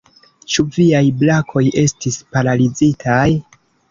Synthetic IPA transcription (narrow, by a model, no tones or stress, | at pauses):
t͡ʃuviajblakʰo̞je̞stispaɾalid͡zitʰaj